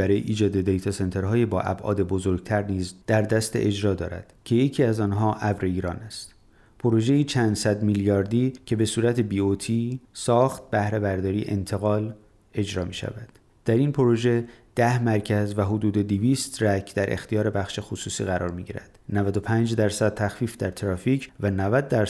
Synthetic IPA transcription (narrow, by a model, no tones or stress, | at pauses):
æɾɒːjḛʔiːd͡ʒɒːd̪e̞d̪e̞jt̪ʰɒse̞nt̪ʰe̞ɾɦɒːjebɒːʔæ̰bʔɒ̰ːd̪e̞bo̞zo̞ɾɡ̚t̪ʰæɾniːzd̪̥æɾd̪æst̪ḛʔe̞d͡ʒɾɒːd̪ɒ̰ːɾæ̰d̪̥cʰe̞jecʰiːæzɒːnɦɒːʔævɾe̞iːɾɒːnæst̪ | pʰoɾo̞ʒe̞jiːt͡ʃʰænd̪sæd̪miljɒːɾd̪iːcʰe̞be̞suːɾæt̪ʰebiːot̪ʰiːsɒːxt̪̚bæhɾe̞bæɾd̪ɒːɾiːʔḛnt̪ʰe̞ɣɒːl | e̞d͡ʒɾɒːmiːʃæ̰væd̪̥ːæɾinpʰo̞ɾoʒe̞d̪̥æhmæɾcʰæzvæɦod̪uːd̪e̞d̪iviːst̪ræcʰd̪æɾʔḛxt̪ʰijɒːɾe̞bæxʃe̞xosuːsiːɣæɾʔɒ̰ːɾmiːɟḭɾæ̰d̪̥nævæd̪o̞pʰænd͡ʒd̪æɾsæd̪̥̚t̪ʰæxfiːfd̪æɾt̪ʰɾɒːfiːcʰvænævæd̪ːæɾ